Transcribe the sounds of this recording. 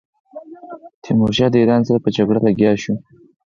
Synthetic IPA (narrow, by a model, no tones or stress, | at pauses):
t̪ʰimoʃɑd̪əiɾɑnsaɾapəd͡ʒaɡɽalaɡʲjɑʃu